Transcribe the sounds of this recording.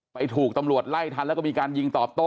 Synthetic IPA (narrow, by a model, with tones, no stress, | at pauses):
pa˧jt̪ʰuː˨˩k̚t̪a˧mɾu˨˩ət̪̚la˥˩jt̪ʰa˧˥˧lːkɔ˥˩miː˧kaː˧nji˧ŋt̪ɔː˨˩p̚t̪o˥˩